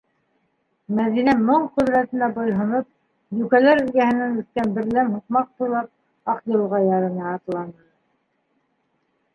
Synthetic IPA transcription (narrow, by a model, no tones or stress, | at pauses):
mæðinæmɤɴqɵðɾæt̪ɘ̆næbŏjɦŏnɤp̚ | j̪ʉkælæɾɵ̆lɡæhɘ̆næŋʉθk̪ænbɘ̆ɾlæmɦuq̚mɑq̚t̪ujlˠɑp̚ | ɑqjɤ̆lˠʁɑjɑɾɤ̆nɑɑt̪lˠɑnɤ